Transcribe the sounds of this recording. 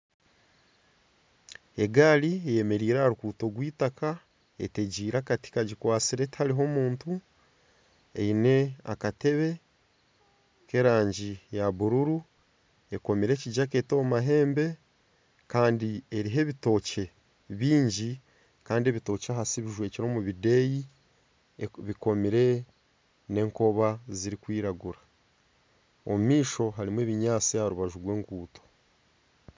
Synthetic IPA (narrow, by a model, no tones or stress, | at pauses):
e̞ɡaːliejeme̞ɾiːɾaɾukuːto̞ɡwiːtakʰa | ḛte̞ɟiːɾaːkati̥kaɟikwaːt͡siɾe̞ti̥haɾiɦo̞muːntu | ḛine̞a̰kate̞βe̞ | ke̞ɾaːɲɟijaβuɾuɾu | e̞ko̞miɾe̞ciɟake̞ːtomaɦe̞ːmbe̞ | kaːndieɾiɦe̞βito̞ːce̞ | βiːɲɟi | kaːndie̞βito̞ːcaɦasiβiʒwe̞ːciɾo̞ːmuβide̞ji | βiko̞miɾe̞ | ne̞ːŋko̞βaziɾikwiːɾaɡuɾa | o̰mumiːʃo̞ɦaɾimweːβiɲaːt͡siaɾuβaʒuɡwe̞ːŋɡuːto̥